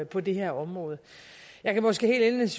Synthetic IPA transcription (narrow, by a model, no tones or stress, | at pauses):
pʰɒ̽d̥e̝ɦeɐ̰ɒ̽mʁɔ̽ːð̞̩ˠ | jɑ̈ɪkʰæmɒ̽sɡ̥e̝ːhe̝̰ːld̥enes